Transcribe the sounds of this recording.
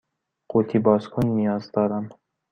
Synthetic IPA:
qʰut̪ʰibɒːskʰʊnnːijɒːzd̪ɒːɾan

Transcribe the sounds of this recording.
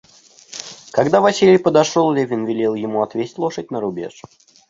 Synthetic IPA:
kɐɡd̪avɐsʲilʲɪjpəd̪ɐʂolˠlʲevʲɪnvʲɪlʲilˠjɪmuɐt̪vʲesʲtʲlˠo̞ʂət̚ʲnəɾʊbʲḛʂ

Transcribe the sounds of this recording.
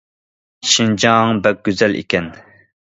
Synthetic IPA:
ʃind͡ʒɑŋbɛk̚ɡ̥ʲøzɛlʔḭkʲɛn

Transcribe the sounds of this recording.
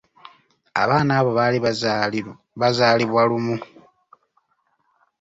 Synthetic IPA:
a̰βaːnaːβo̞βali | βazaːliβwalumu

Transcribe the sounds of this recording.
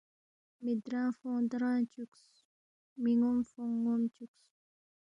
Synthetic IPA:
mid̪ɾãfud̪ɾãt͡ʃuks | miŋumfuŋumt͡ʃuks

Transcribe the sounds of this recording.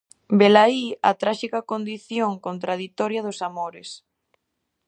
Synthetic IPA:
belaiɐ̰t̪ɾaʃikɐkond̪iθjoŋkont̪ɾað̞it̪ɔɾjɐðʊsamoɾɪs

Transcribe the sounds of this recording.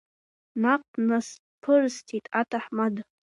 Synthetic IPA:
naq̚ʼnas | pʰɨrstʰitʼatʰaħmad

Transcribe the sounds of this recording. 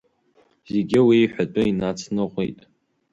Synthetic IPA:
zeɡʲɪwiːħʷᶣatʷʼʊinat͡sʰnɨʁʷḭtʼ

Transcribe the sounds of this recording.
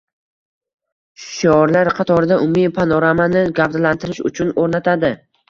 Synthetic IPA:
ʃɒɾlaɾqʰɑt̪ʰɒɾɪd̪aʔʊmːipʰanɒɾamanɪɡavd̪lant̪ʰɪɾɪʃʊ̰t͡ʃʰʊnoɾnat̪ʰad̪ɪ

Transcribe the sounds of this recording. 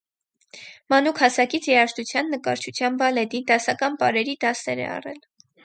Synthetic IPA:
mɑnukʰhɑsɑkit͡sʰjɛɑʃt̪ut͡sʰjɑnːəkɑɾt͡ʃʰut͡sʰjɑmbɑlɛd̪id̪ɑsɑkɑnpɑɾɛɾid̪ɑsɛɾɛ̰ɑ̰rɛ̰l

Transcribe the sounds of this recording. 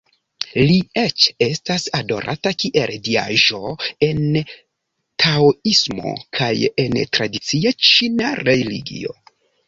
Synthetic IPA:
liet͡ʃe̞stasado̞̰ɾʔa̰takiʔe̞ldia̰ʒo̞e̞n | tʰaoismo̞̰kʰajentɾadit͡siat͡ʃinaɾelḭɡḭo̞̰

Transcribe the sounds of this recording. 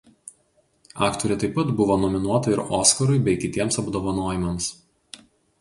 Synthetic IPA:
ɑːkt̪ɔɾʲɛt̪ɐɪpːɐt̪bʊʋoːnɔmʲɪnuɔt̪ɐɪɾoːskɐɾʊɪbʲɛɪkʲɪt̪ʲiɛmsɐbd̪oːʋɐnoːjɪmɐms

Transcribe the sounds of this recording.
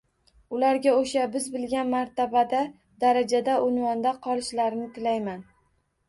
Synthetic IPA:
ʊlaɾɡʲaoʃabɪzbɪlɡʲanmaɾt̪ʰabad̪a | d̪aɾad͡ʒad̪aʔʊnwɒnd̪aqʰɒlˠɪʃlaɾnɪt̪ʰɪlajman

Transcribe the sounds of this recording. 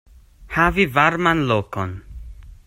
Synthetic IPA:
havivaɾmanloko̰n

